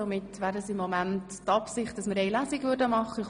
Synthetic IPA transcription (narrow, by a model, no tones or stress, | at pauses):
omɪtːvæːɾəsɪmːɔmænttɑpsɪχt̚d̥ɑsməɾɛɪlæsikvʏɾdəmɑχːəɪ